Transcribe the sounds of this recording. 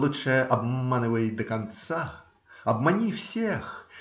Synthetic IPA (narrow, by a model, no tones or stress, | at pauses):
lˠutʂɛjʔabmmanɨvɐjid̪ɐkant̪sa | ɐbmanʲiwsʲex